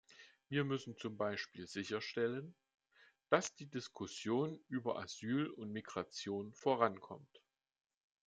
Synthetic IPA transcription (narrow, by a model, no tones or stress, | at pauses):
viːɐmʏsn̩t͡sʊmbaɪʃpiːlzɪçɐʃtɛlən | d̥asd̥iːdɪskʰʊsjoːnʔyːbɐʔa̰zyːlʊntmiɡʁat͡sjoːnfoːʁankʰɔ̰mt